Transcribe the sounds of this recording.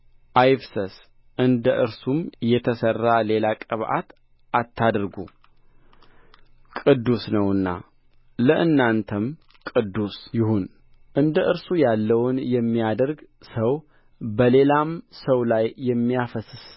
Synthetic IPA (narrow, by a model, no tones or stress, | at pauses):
ʔajfsəs | ʔɨnd̪əʔɨɾsumjɛt̪ʰəsərːale̞lakʼəβʔa̰t̪ | ʔat̪ʰːad̪ɾɡu | kʼɨd̪ːusnəwɨnːa̰ | ləʔɨnːant̪ʰəm | kʼɨd̪ːusjɪhun | ʔɨnd̪əʔɨɾsujalːəwnjɛmːijad̪əɾɡ | səw | bəle̞lamsəwlajːɛmːijafəsɨs